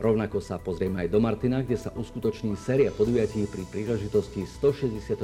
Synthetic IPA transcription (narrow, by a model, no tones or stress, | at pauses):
ɾɔʊnakɔsapɔzɾiɛmɛajd̪ɔmaɾt̪inaɡɟɛsaʔuskut̪ɔt͡ʃɲiːsɛːɾiapɔd̪ujaciːpɾipɾiːlɛʒit̪ɔscist̪ɔʃɛzɟɛsɪat̪